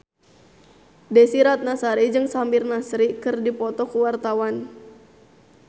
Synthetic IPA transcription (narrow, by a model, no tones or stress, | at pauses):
dɛsiɾat̪̚nasaɾid͡ʒɨŋsambirnasɾikɨrdipɔt̪ɔkuwart̪awan